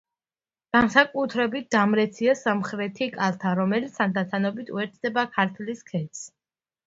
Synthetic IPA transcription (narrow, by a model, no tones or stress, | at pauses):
ɡ̥ansakʼut̪ʰɾɛbit̪̚d̪amɾɛt̪sʰiasamχɾɛt̪ʰikʼalˠt̪ʰaɾɔmɛlit̪sʰand̪at̪t̪ʰanɔbit̪ʰṵɛɾt̪ʰd̪ɛbakʰaɾt̪ʰliskʰɛt̪s